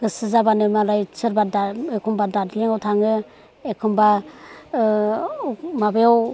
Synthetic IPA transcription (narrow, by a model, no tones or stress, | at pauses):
ɡɯsɯzabanɯmaɾajsʰɯɾbadaekʰumbadadiliŋawtʰaŋɯ | ekʰumba | mabejaw